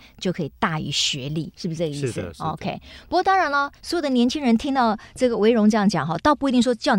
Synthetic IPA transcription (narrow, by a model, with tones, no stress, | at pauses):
t͡ɕjo˥˩ʊkʰɤ˧˥i˨˩t̪a˥˩y̰˧˥ɕɥɛ˧˥lḭ˥˩ʂɻ̩˥˩bu˩ʂ̩˧˩ʈ͡ʂə˥˩ɡə˩i˧˥s̩˨˩˧o̰˧ʊkʰe˥ɪpu˧˥kɔ˥˩t̪ɑ˥ŋɻa˧˥nɐ˧swɔ˧˥jo˨˩d̪ə˧njɛ˧˥nt͡ɕʰi˥ŋɻə˧˥nt̪ʰi˥ŋt̪ɑ˥˧ʊʈ͡ʂɤ˥˩ɡə˩we˧˥ɪɻʊ˧˥ŋʈ͡ʂɤ˥˧jɑ˥˩ŋ˩t͡ɕjɑ̰˨˩ŋxɑ˥˧t̪ɑ˥˧ʊpu˥˩i˧t̪i˥˩ŋʂwɔ˥t͡ɕjɑ˥˩ʊ